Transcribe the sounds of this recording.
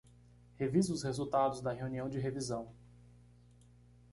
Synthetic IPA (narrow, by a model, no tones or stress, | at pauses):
hevizʊːshezuwt̪ad̪ʊzd̪ɐɦeuniɐ̃w̃d͡ʒɪɦevizɐ̃w̃